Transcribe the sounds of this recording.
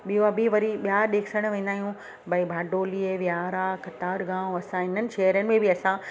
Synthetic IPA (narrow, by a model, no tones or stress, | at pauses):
ɓioabiʋɐɾiɓijaɗeːkʰsəɽ̃ʋẽːnd̪aːɦijũ | bɐibʱaːɖoːliʋjaːɾakɐt̪aːɾɡãːɐsãɦɪnənɪ̆ʃeːɦɾjənɪ̆mẽbʱɪɐsã